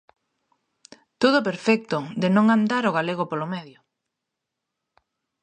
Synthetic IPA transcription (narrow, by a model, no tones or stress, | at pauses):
t̪oðʊp̬eɾfɛk̚t̪ʊd̪enõŋand̪aɾoɣ̞aleɣ̞opolomɛðjʊ